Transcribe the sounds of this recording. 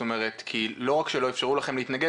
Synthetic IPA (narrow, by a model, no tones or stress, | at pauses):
omeʁet̪kʰilo̞ʁakʃelo̞efʃaʁulaχe̞mleit̪naɡe